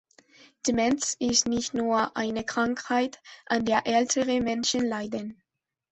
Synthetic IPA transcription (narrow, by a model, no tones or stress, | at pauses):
d̥imɛnt͡sɪstnɪçtnuːɐʔa̰ɪnəkʁ̥aŋkhaɪtʔandeːɐʔɛltʰəʁəmɛnʃənlaɪdən